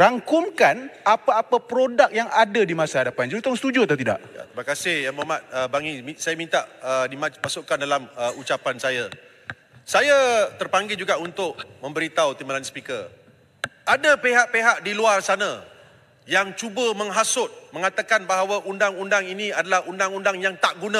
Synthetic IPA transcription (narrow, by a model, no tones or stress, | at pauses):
raŋkʊmkanapaːpapɾodak̚jaŋadadimasaadapand͡ʒuut̪ɔŋsə̥t̪ud͡ʒuat̪awt̪ida̰ʔja̰t̪imakasɪhjaŋmamat̪̚əbaŋimisajamint̪aʔədimamasʊʔkandalaməut͡ʃapansaja | sajat̪ərpaŋɡɪld͡ʒuɡaʔunt̪ʊʔ̚mə̃mbəɾit̪awt̪imalanspikə | adapeɦaʔpeɦaʔdiluarsanã | jaŋt͡ʃubəmə̃ŋɦasʊt̪̚mə̃ŋat̪akanbaɦawaʔundaŋundaŋinĩadalahundaŋundaŋjaŋt̪aʔɡunã